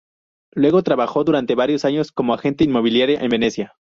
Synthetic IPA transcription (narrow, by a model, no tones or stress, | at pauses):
lwe̞ɣo̞t̪ɾaβaxo̞ðuɾant̪e̞βaɾjo̞saɲo̞sko̞mo̞axe̞nt̪einmo̞β̞iljaɾjaʔembe̞ne̞sja